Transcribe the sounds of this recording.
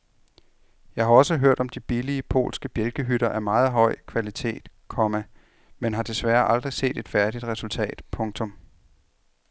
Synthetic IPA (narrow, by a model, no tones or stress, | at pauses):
jɑ̈ɪhɑ̈ɒ̽səɦøɐ̰d̥ɒ̽md̥ib̥iliəpʰo̝̰ːlsɡ̥əb̥jelɡ̥əɦyɾ̥ɐʔæɐmɑ̈ːð̞̩ˠɦɒ̽ɪ̰kʰʋælit͡sʰe̝̰ːd̥kʰɒ̽mæ | menɦɑ̈d̥e̝sʋæːɐʔɑ̈ld̥ʁise̝̰ːd̥e̝d̥fæɐd̥id̥ʁɛsult͡sʰɛ̰ːd̥pʰɔ̽ŋt͡sʰɔ̽m